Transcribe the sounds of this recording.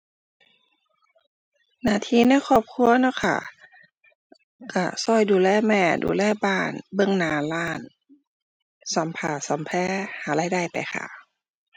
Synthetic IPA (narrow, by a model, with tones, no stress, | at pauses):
naː˧˩˨t̪ʰiː˧˥˨na˧˥˨jkʰɔː˧˩p̚kʰu˧˥ɐnaː˧˥˨kʰa̰˧˩ | ka˧˩sɔː˧˩jduː˧˨lɛː˧˥˩mɛː˧˩dṵː˧˨lɛː˧˥˨baː˧˩nbɤ˧˨ŋnaː˨˩laː˧˥˩n | sa˨˦mpʰaː˧˩sa˨˦mpʰɛː˧˥˨haː˨˦la˧˩˨da˧˩˨jpa˨jxʰa̰˧˩